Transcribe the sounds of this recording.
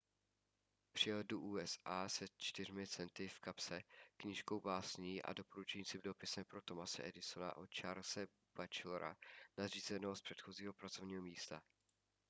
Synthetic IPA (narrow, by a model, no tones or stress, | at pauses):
pr̝̥ɪjɛlduʔuːɛsʔaːsɛt͡ʃt̪ɪr̝mɪt͡sɛnt̪ɪfkapsɛkɲɪʃko̞wbaːsɲiːʔa̰do̞po̞ɾut͡ʃɛɲiːt͡sɪmdo̞pɪsɛmpɾo̞t̪o̞masɛ̰ʔɛdɪso̞na̰ʔot͡ʃaːɾsɛ | b̥at͡ʃloɾa̰nariːzɛnɛɦospr̥ɛt̪xo̞ziːɦo̞pɾat͡so̞vɲiːɦomiːst̪a